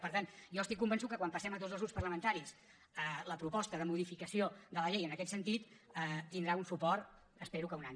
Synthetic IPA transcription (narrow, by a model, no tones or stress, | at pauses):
pəɾt̪anjɔəsikːumbənsut̪kəkwampəsɛmət̪ozəlˠzɣupspərləmənt̪aɾis | ələpɾupɔst̪əðəmuðifikəsioðələʎejənəkɛt̪sənt̪it̪ət̪ind̪ɾaunsupɔrt̪ | əspeɾukəunaɲ